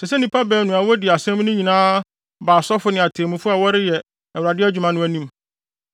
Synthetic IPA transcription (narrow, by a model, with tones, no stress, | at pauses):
sɛ˨sɛ˦nɪ̃˨pʰa˦bɛː˨nũ˨a˨wɔ˦dɪ˨a˨sɛ̃˦m˦nʊ̃˦ɲĩ˨nãː˦ | baː˨sɔ˦fʊ˦nɪ̃˨a˨tʰeː˨mũ˨fʊ˦a˨wɔ˦ɾɪ˦jɛ˨ | ɛ˨wɾa˨dɪ˦æ˦d͡ʑᶣu˨mã˦nʊ̃˦æ˨nĩ˦m